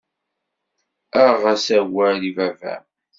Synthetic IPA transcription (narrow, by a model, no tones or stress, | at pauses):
æʁæsæwælivævæ̰